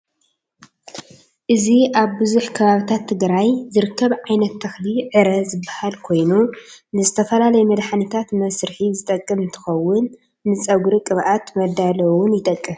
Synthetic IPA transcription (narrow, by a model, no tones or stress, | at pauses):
ʔɨziʔaβbɨzuħkʰɐβaβit̪ʰat̪ʰːɨɡɾajzɨɾɨkʰːɐβʕajnɐt̪ʰːɐxliʕɨɾɐzɨbːahalkʰo̞jnunɨzɨt̪ʰɐfɐlalɐjmɐd̪ħanit̪ʰat̪mɐsɾħizɨt̪ʼɐkʼːɨmɨnt̪ʰɨ̥xɐwːʊnː | ɨt͡sʼɐɡɾikʼɨβʔat̪mɐd̪alɐwʊnjɪt̪ʼɐkʼːɨ